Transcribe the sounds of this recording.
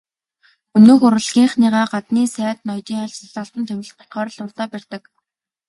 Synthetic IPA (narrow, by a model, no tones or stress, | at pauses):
ɵnoːxʊɾɘ̆ɮɣʲiːɴχniːʁaːɢat̪niːsæːt̪nɔjt̪iːŋaɮt͡ɕ̆ɮaɮt̪ə̆nt̪ʰewʲɪ̆ɮt̪tχœːɾɞ̆ɮʊrt̪aːpær̥t̪ə̆k